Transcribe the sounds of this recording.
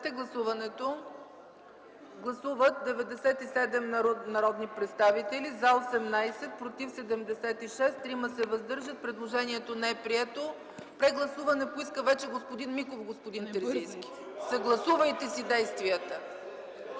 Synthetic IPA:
t̪ɛɡlˠɐsuvɐnɛt̪o | ɡlˠɐsuvət̪̚d̪ɛvɛd̪ɛsɛt̪isɛd̪ɛmnɐɾɔd̪nipɾɛt̪st̪avit̪ɛlizalˠsɛmnajsɛt̪̚pɾot̪ifsɛd̪ɛmd̪ɛsɛt̪iʃɛst̪ɾiməsɛvɐzd̪ɤɾʒət̪̚pɾɛd̪lˠoʒɛniɛt̪onɛɛpɾiɛt̪o | pɾɛɡlˠɐsuvɐnɛpoiskəvɛt͡ʃɛɡospod̪inmikofɡospod̪int̪ɛɾzinskʲi̥ | səɡlˠɐsuvəjt̪ɛsid̪ɛjst̪viət̪ə

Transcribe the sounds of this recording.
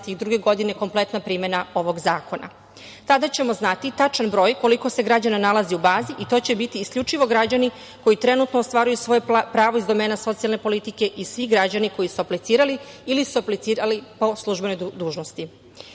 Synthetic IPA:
t̪iɣd̪ɾuɡe̞ɡo̞d̪ine̞ko̞mple̞t̪napɾiːme̞nao̞ʋo̞ɡzaːko̞na̰ | t̪ad̪at͡ɕe̞mo̞znat̪it̪at͡ʃanbɾo̞ːjko̞liko̞se̞ɡɾad͡ʑananalaziubaːziʔit̪o̞ːt͡ɕe̞bit̪iːskʎʲut͡ʃiʋo̞ɡɾad͡ʑani | ko̞jit̪ɾe̞nut̪noːst̪ʋaːɾujusʋo̞jepɾaːʋo̞izd̪o̞meːnaso̞t̪sialˠne̞po̞lit̪ike̞ʔisʋiɡɾad͡ʑaniko̞jisuaplit̪siːɾaliilisuaplit̪siːɾalipo̞slˠuʒbe̞nojd̪uːʒno̞st̪i

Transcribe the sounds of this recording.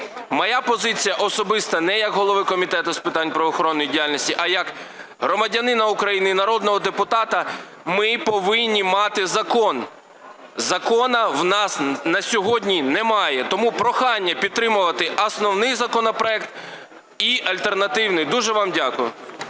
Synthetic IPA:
mɔjapɔzɪt͡sʲijɐʔɔsɔbɪst̪ɐnɛjɐkɦɔlˠɔʋɪkɔmʲit̪ɛt̪ʊspɪt̪ɑnʲpɾɐʋɔxɔɾɔnːɔjidʲijalʲnʲɔsʲtʲiʔɐjɐk | ɦɾɔmɐdʲɐnɪnɐukɾɐjinɪinɐɾɔd̪nɔɦɔd̪epʊt̪ɑt̪ɐ | mɪpɔʋɪnʲːimɑt̪ɪzɐkɔn | zɐkɔnɐwnɑsnɐsʲɔɦɔdʲnʲinɛmɑjɛt̪ɔmupɾɔxɑnʲːɐpʲid̪̚t̪ɾɪmʊʋɐt̪ɪɐsnɔwnɪjzɐkɔnɐpɾɔɛkt̪ | iʔɐlʲt̪ernɐt̪ɪwnɪjd̪uʒɛʋɑmdʲakʊjʊ̰

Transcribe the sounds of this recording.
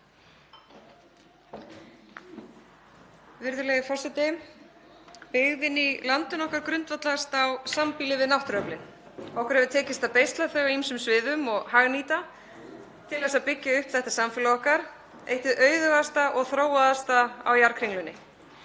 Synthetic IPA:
vɪɾðʏlɛɣɪfɔr̥sɪt̪ɪ | pɪɣvɪnilant̪ʏnɔhkaɾkɾʏnt̪vat̪laɣast̪awsampilɪvɪðnawht̪ɾœplɪn | ɔhkʏɾhɛvðʏt̪ʰɛːcɪst̪apejst̪laθœɣimsʏmsvɪːðʏmɔɣhaɣniːt̪a | t̪ʰɪlːɛsaðpɪcːaʏhpθɛht̪asamfɪlaɔhkaɾ̥ | ḛjht̪ɪðʔœːɥðʏɣast̪aʔɔɣθɾoːwaðast̪aa̰wjaɾkʰɾɪŋklʏnːɪ

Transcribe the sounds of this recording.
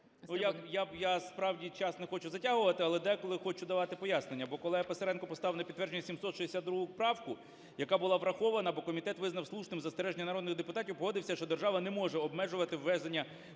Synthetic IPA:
ujajajaspɾɑwdʲit͡ʃɑsnɛxɔt͡ʃʊzɐtʲaɦʊʋɐt̪ɪɐlˠɛd̪ɛkɔlˠɪxɔt͡ʃʊd̪ɐʋɑt̪ɪpɔjasne̞nʲːɐbɔkɔlˠɪjapeseɾɛnkɔpɔst̪ɑʋnɐpʲid̪ːʋɛɾrd͡ʒenʲːɐsʲimsɔt̪ʃiesʲad̪ɾuɦʊpɾɑwkʊ | jɐkabʊlˠɑʋɾɐxɔʋɐnɐbɔkɔmʲit̪ɛt̪ʋɪznɐwslˠut͡ʃnɪmzɐst̪eɾɛʒenʲːɐnɐɾɔd̪nɪxd̪e̞pʊt̪ɑtʲiwpɔɦɔd̪ɪwsʲɐʃt͡ʃɔd̪erʒɑʋɐnɛmɔʐɛɔb̚mɛʒʊʋɐt̪ɪwːɛzd̪enʲːɐ

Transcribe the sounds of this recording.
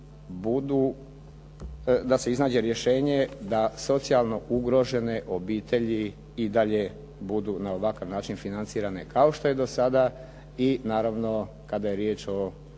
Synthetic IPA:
bud̪u | d̪aseiznaːd͡ʑe̞ɾje̞ʃe̞ːɲe̞d̪aso̞t̪sialˠno̞ʔuɡɾo̞ʒe̞ne̞ʔo̞biːt̪ʰe̞ʎi | id̪aʎe̞ | bud̪unao̞ʋakaʋnaːt͡ʃinfinant̪siːɾane̞kao̞ʃt̪o̞je̞d̪o̞sad̪a | inaːɾaʋno̞ | kad̪aje̞ɾjeːt͡ʃo̞

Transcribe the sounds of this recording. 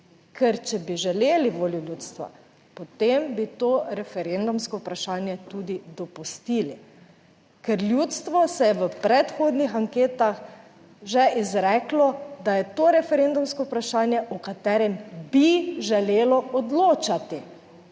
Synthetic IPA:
kʰɛɾt͡ʃɛbiʒɛleːliʋoːljulʲjuːt̪st̪ʋa̰ | pɔt̪embit̪oːɾɛfɛɾend̪umskɔupɾaʃaːnjɛt̪ud̪id̪ɔpust̪iːli | kɛɾljut̪st̪ʋɔsɛjɛʋəpɾɛt̪xoːd̪nixaŋkeːt̪ax | ʒɛizɾɛːklɔd̪ajɛt̪oɾɛfɛɾend̪umskɔupɾaʃaːnjɛʔɔkat̪ɛːɾɛmbiʒɛleːlɔɔd̪loːt͡ʃat̪i

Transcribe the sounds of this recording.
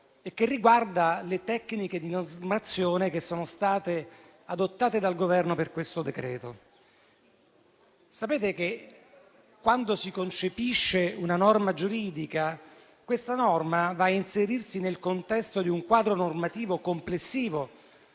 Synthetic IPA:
ekːerːiɡward̪alet̪ɛkːniked̪inozmat̪sːjoːnekesːoːnost̪aːt̪e | ad̪ot̪ːaːt̪ed̪alɡovɛrnoperkwest̪od̪ekɾɛ̰ːt̪o | sapeːt̪eke | kːwand̪osikont͡ʃepiʃːeunanɔrmad͡ʒuɾiːd̪ika | kwest̪anɔrmavainseɾirsinelkont̪ɛst̪od̪iuŋkwaːd̪ɾonormat̪iːvokomplesːiːvo

